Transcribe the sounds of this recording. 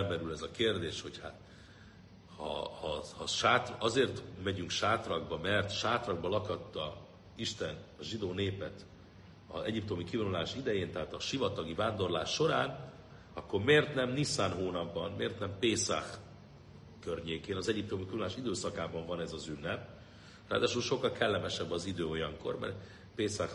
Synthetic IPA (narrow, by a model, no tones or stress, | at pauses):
lbɛɾylɛzɒkeːrd̪eːʃho̞chat̪ | hɒ̰ːhɒʃaːt̪rɒzeːrt̪mɛɟyŋkʃaːt̪rɒɡbɒmɛrt̪ʃaːt̪rɒɡ̚bɒlɒkɒt̪ːɒ | iʃt̪ɛnɒʒid̪oːneːpɛt̪ | ɒ̰ɛɟip̚t̪o̞mikivɒnulaːʃid̪ɛjeːnt̪ɛɦaːt̪ɒʃivɒt̪ɒɡivaːnd̪o̞rlaːʃːo̞ɾaːn | ɒkːo̞rmeːrt̪nɛmnisaːnɦoːnɒbːɒnmeːrt̪nɛmpeːsa̰x | kø̞rɲeːkeːnɒzɛɟip̚t̪o̞mikiɔnulaːʃid̪øːsɒkaːbɒɱvɒnɛzɒzynːɛp̚ | ra̰ːd̪aːʃulʃo̞kːɒlkɛlːɛmɛʃɛbːɒzid̪øːo̞jɒŋko̞̰rmɛ̰rt̪ | peːsax